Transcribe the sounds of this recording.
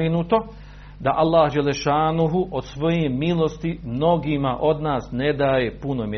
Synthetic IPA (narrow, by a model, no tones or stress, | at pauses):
inut̪o̞ | d̪aʔalːaːhd͡ʒɛlːeʃaːnuɦuʔod̪̥sʋo̞jemilˠost̪imno̞ɡimaʔo̞d̪naːsned̪aːjepunomʲje